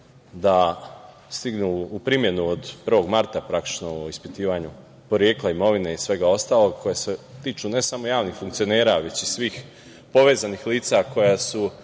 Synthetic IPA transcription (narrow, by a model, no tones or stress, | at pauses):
d̪a | st̪iɡnuupɾimje̞nuod̪pr̩ʋo̞ɡmaɾt̪apɾakt̪i̥t͡ʃnoispit̪iːʋaɲu | poɾjeːklˠaimo̞ʋine̞isʋe̞ɡao̞st̪aːlo̞ɡ̚kʰo̞jeset̪iːt͡ʃune̞samo̞jaːʋnixfuŋkt̪sio̞ne̞ːɾaʋe̞t͡ɕisʋiːx | po̞ʋezanixliːt̪sako̞jasu